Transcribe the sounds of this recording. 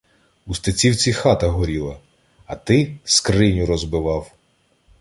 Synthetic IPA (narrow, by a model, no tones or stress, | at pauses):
ust̪et͡sʲiwt͡sʲixɑt̪ɐɦɔɾʲilˠɐ | ɐt̪ɪskrɪnʲʊɾɔzbɪʋɑw